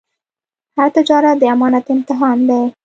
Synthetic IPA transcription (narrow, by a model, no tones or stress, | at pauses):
haɾt̪ɪd͡ʒɑɾat̪̚d̪əamɑnat̪ɪmt̪ɪɦɑnd̪ej